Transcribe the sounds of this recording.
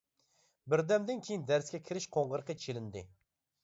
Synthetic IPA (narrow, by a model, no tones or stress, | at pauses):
bɪɾd̪ɛmd̪ɪnkʲʰejind̪æɾskʲɛkʲʰɪɾɪʃqʰoɴʁəɾəqɑt͡ʃʰelɪnd̪ɪ